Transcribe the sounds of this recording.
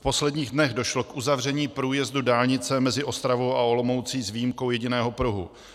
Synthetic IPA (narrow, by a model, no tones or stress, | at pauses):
fpo̞slɛdɲiːɣdnɛɣdo̞ʃlo̞kʔuzavr̝ɛɲiːpɾuːjɛzdudaːlɲɪt͡sɛmɛzɪʔo̞st̪ɾavo̞wʔao̞lomo̞wt͡siːzvijimko̞wjɛɟɪnɛːɦopɾuɦṵ